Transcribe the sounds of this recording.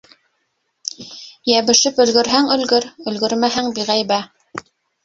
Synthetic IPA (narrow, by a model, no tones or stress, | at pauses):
jæβɘ̆ʃɘpɵ̆lɡɘ̆ɾɦæŋɵ̆lɡɘɾɵ̆lɡɵɾmæɦæŋbiʁæjβæ